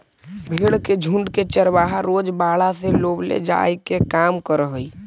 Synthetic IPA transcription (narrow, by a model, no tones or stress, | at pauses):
bʱeːɽked͡ʒʱũɳɖket͡ʃəɾbaːɦaɾoːd͡ʒbaːɽaseloːblḛd͡ʒa̰ːikekaːmkəɾɦoi